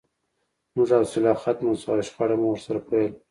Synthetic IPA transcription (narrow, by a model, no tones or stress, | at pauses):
mʊʐawsɪlɑxat̪masɑɪʃxaɽamwəɾsaɾapʰowel